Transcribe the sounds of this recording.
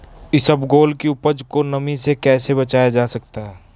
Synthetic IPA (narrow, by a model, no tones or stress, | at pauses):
ɪsəbɡoːlkiʊpəd͡ʒkonɐmĩsekɛːsebɐt͡ʃaːjad͡ʒaːsɐkt̪aɦɛː